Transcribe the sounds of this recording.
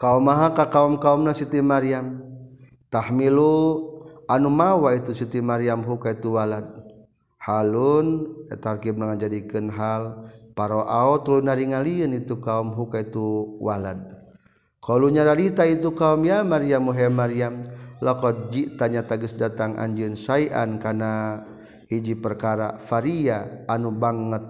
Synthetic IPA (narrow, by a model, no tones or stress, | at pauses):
kaumaɦakakaumkaumnasit̪imaɾiam | t̪ahmilu | anumawait̪usit̪imaɾiamɦukait̪uwalad̪̚ | halunɛ̰t̪arkib̚naŋad͡ʒadikɨnɦalpaɾɔʔaɔt̪lunaɾiŋaliɨnit̪ukaumɦukait̪uwalad̪̚ | kɔluɲadaɾit̪ait̪ukaumjamaɾiamuɦɛmaɾiamlɔkɔd͡ʒit̪aɲat̪aɡəsdat̪aŋʔa̰ɲd͡ʒɨnsaiʔa̰nkana | hid͡ʒipərkaɾa̰faɾiaːnubaŋət̪̚